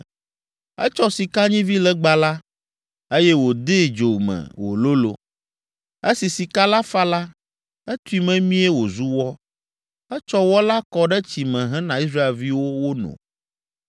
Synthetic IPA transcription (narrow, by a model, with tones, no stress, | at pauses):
ɛ̰˦t͡ʃɔ˦si˨ka˦ɲĩ˦vi˦lɛ˦ɡ͡ba˨la˦ | e˦jɛ˦wo˨d̪e˦˨d͡ʒo˨mɛ̰̃˨wo̰˨lo˦lo̰˨ | e˦si˨si˨ka˦la˦fa˦la˦ | ɛ˦t̪u˦i˦mɛ̃˦mĩ˦ɛ˦wo˨zu˦wɔ˦ | ɛ˦t͡ʃɔ˦wɔ˦la˦kɔ˦ɖɛ˦t͡ɕi˨mɛ̃˨ɦɛ̃˦nã˨i˦s̬ɾa˦e˨lvi˦wo˦wo˦nɔ̰̃˨